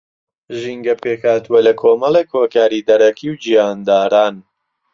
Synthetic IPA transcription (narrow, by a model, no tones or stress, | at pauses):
ʒiŋɡɐpʰeːkhaːt̪uwɐlɐkʰoːmɐlˠeːkhoːkaːɾiːd̪ɐɾɐkʰiːwd͡ʒijaːnd̪aːɾaːn